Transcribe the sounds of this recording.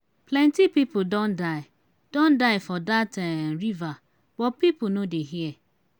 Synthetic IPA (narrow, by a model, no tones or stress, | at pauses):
plɛ̃ntipipʊdɔ̃ndaɪ | d̥ɔ̃ndaɪfɔdatɛɾiva | b̥ɔt̚pipʊnodeɦiɛ